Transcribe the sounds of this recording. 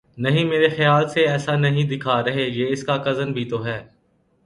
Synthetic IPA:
nɐɦĩmeːɾexɪjaːlseɛːsanɐɦĩd̪ɪkʰaɾɐɦejeːɪskakɐzənbʱit̪oɦɛː

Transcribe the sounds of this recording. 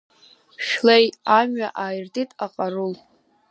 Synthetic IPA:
ʃᶣlejamɥaʔaːjrtʼitʼaqʼarul

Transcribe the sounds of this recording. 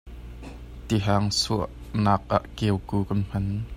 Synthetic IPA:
t̪iɦaːŋsuəʔnaːk̚ʔaʔkɛwkuːkɐnm̥ɐn

